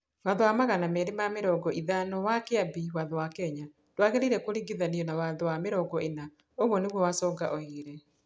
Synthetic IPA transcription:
waðɔwamaɣanamɛɾemameɾɔːɡɔʔiðanɔwakeabiwaðɔwakɛɲa | twaɣeɾiɾɛkoɾiɡeðaniɔnawaðɔwameɾɔːɡɔena | oɣwɔneɣwɔwasɔːɡaʔɔeːɾɛ

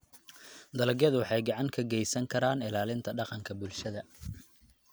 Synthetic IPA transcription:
d̪ɐlɐɡjɐðʊwɑħɑjɡɑʕɑŋkʰɐɡɛjsɐŋkʰɐɾaːnɪlaːlɪnt̪ʰɐɖɑqɑŋkʰɐbʊlʃɐðɐ

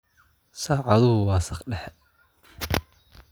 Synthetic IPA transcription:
sɑːʕɑðʊhʊwɑːsɑχɖɛħɛ

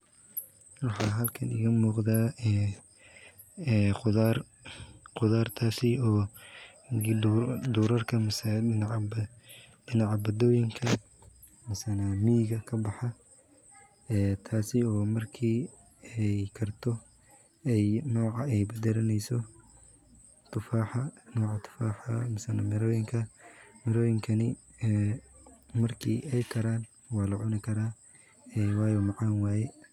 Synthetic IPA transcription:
wɑħɑːɦɐlkʰɐnɪ̰ɣɐmuːqd̪aːɛ | ɛːqʊðar | qʊðaːrt̪ʰaːsɪɔː | d̪uːɾɐrkʰɐmɐsɪ | ɖɪnɑʕɑbɐd̪ɔːjɪŋkʰɐ | mɐsɐnaːmiːɣɐkʰɐbɑħɑ | ɛːt̪ʰaːsɪɔːmɐrkʰiː | ɛjkʰɐrt̪ʰɔ | ɛjnɔːʕɑɛjbɐd̪ɛɾɐnɛjsɔ | t̪ʰʊfaːħɑnɔːʕɑt̪ʰʊ̥faːħɐmɐsɐna̰mɪɾɔːjɪŋkʰɐmɪɾɔːjɪŋkʰɐnɪ | ɛː | mɐrkʰḭːʔɛjkʰɐɾaːn | wɑːlɐʕʊnɪkʰɐɾaː | ɛːwɑːjɔːmɑʕɑːnwaːjɛ

